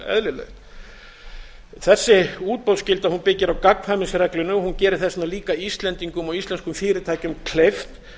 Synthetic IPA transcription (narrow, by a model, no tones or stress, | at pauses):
ɛ̰ðlɪlɛ̰xt̪ | θɛsːɪuːt̪̚pɔlscɪlt̪ahunpɪcːɪɾawkaknfamɪnsrɛklʏnːʏɔhuncɛːɾɪ̥θɛsnaliːkaist̪lɛnt̪iŋkʏmɔɣist̪lɛnskʏmfɪːɾɪɾt̪ʰaːjcʏmkʰleft̪